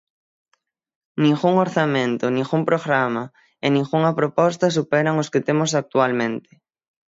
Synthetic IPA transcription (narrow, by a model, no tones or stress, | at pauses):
nĩŋɣuŋoɾθamẽnt̪ʊnĩŋɣumpɾoɣɾama | enĩŋɣuŋɐpɾopɔst̪ɐsupɛɾaŋoskɪt̪emosak̚t̪ualmẽnt̪ɪ̥